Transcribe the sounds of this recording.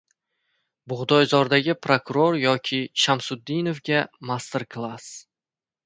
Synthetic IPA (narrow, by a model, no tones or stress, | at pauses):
bʊʁd̪ɒjzɒɾd̪aɡʲɪpʰɾokʊɾoɾjɒkʲʰɪʃamsʊd̪ːɪnofɡʲamast̪eɾkʰlˠas